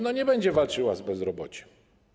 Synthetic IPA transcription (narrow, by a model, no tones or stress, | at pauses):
nɔɲɛbɛɲd͡ʑɛvalt͡ʂɘwazbɛzɾɔbɔt͡ɕɛ̥